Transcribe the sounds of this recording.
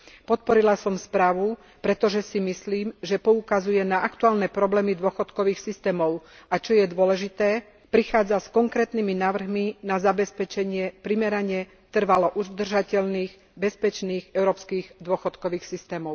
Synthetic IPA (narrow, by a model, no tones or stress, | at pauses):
pɔt̪̚pɔɾilasɔmspɾaːʋu | pɾɛt̪ɔʒɛsimisliːmʒɛpɔukazujɛnaʔakt̪uaːlnɛpɾɔblɛːmid̪ʊɔxɔt̪kɔʋiːxsist̪ɛːmɔʊat͡ʃɔjɛd̪ʊɔlɛʒit̪ɛː | pɾixaːd͡zaskɔŋkɾɛːt̪niminaːʋr̩ɦminazabɛspɛt͡ʃɛɲɪɛpɾimɛɾaɲɪɛ | t̪r̩ʋalɔʔuzd̪r̩ʒacɛʎniːɣ | bɛspɛt͡ʃniːɣɛʊɾɔːpskiːɣd̪ʊɔxɔt̪kɔʋiːxsist̪ɛːmɔʊ